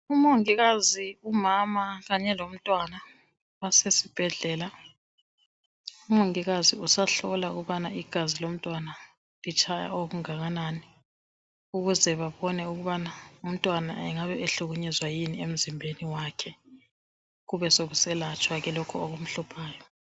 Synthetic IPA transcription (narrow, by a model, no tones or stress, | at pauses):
umoŋiɣaziumamaɣaɲɛlom̩tʼwana | wasesib̥ʱɛɮɛla | umoŋiɣaziusaɬɔlaṵɣuβanaiɡ̥ʱazilom̩tʼwana | lit͡ʃʼʰaja̰oɣuŋaɣanaːni | uɣuzɛβaβɔnɛuɣuβanaum̩tʼwana̰ɛŋaβɛeɬuɣuɲɛzwajiniem̩zimbʱeniwakʰɛ | ɣuβɛsoɣusɛlat͡ʃʼwaɣɛlɔkʰɔoɣum̩ɬupʰaːjɔ